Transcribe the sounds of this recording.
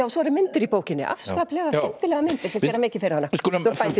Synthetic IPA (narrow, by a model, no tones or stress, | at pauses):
awsɔɛɾɪmɪnt̪ɪɾipoːwcɪnːɪ̰ʔa̰fskaːplɛɣaɛmt̪ɪlɛːɣamɪnt̪ɪɾ̥ɪθɛɾamɪːcɪ̥fɪɾɪɾhanːaskulɔfajt̪ɪ